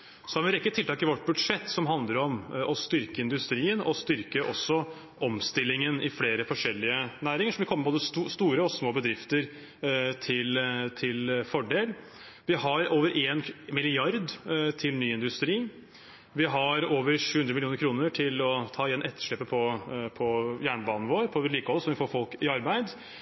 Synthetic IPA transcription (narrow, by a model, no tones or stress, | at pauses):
sɔhɑɾʋɪɾɛkːət̪ʰɪlt̪ɑːkɪʋɔʈːbʉd̪ʂɛt̪ːsɔmɦɑnd̪ləɾɔmɔst̪ʏɾkəɪnd̪ʉst̪ɾiːənɔst̪ʏɾkəʔɔ̰sːɔ | ʔɔmst̪ɪlːɪŋənɪfleːɾəfɔʂɛlːɪənæːɾɪŋəʂɔmʋɪkʰɔmːmɛboːd̪əsst̪uːɾəɔsmoːbəd̪ɾɪft̪əɾ | t̪ʰɪlt̪ʰɪlfɔɖeːl | ʋɪɦɑɾoːʋəɾʔeːnmɪlɪɑɾd̪t̪ʰɪlnyːɪnd̪ʉst̪ɾiː | ʋɪɦɑɾoːʋəɾʂʉːʉnd̪ɾəmɪlɪuːnəɾkʰɾuːnəʈʰɪlɔt̪ʰɑːɪjɛnːʔɛt̪ːə̥ʂɭɛpːəpʰɔpʰɔjæːɳəbɑːnn̩ʋoːɾpʰɔʋəɾɭiːkəhɔlːəsɔmʋɪfoːɾfɔlkɪɑɾbæɪd̪